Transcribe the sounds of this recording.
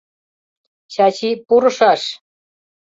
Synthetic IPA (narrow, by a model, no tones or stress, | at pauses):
ɕɑt͡ɕipuɾɤ̆ʂɑʂ